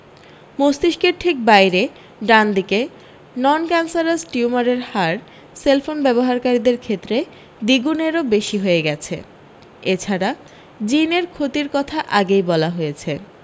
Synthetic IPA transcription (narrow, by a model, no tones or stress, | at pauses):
most̪iʃkeɾʈʰik̚bajɾe | ɖand̪ike | nɔnkɛnsaɾasʈiumaɾeɾhaɾ | selfonbɛboɦaɾkaɾid̪eɾkʰet̪ːɾe | d̪iɡuneɾobeʃiɦoeɡɛt͡ɕʰḛ | et͡ɕʰaɾa | d͡ʑineɾkʰot̪iɾkɔt̪ʰaʔaɡejbɔlaɦojet͡ɕʰe